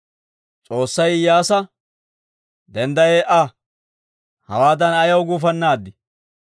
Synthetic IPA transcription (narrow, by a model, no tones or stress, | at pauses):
t͡sʼo̞ːsːɐjjaːsɐ | d̪ɛnd̪ɐjeːʔɐ | hɐ̰waːd̪ɐnɐjɐwɡʊf̬ɐnːaːd̪ːɪ